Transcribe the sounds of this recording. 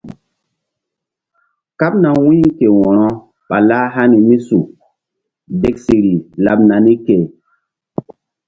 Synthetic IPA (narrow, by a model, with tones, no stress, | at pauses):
ka˦p̚na˨wĩ˦ke˨wɔ˨ɾɔ˦ | ɓa˨la˦ɦa˦ni˨mi˦su˨ | de˦k̚si˨ɾi˨la˨p̚na˨ni˦ke˨